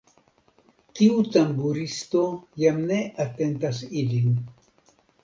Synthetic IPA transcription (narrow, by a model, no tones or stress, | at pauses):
tiut̪ambuɾist̪ojamneʔat̪ent̪asilin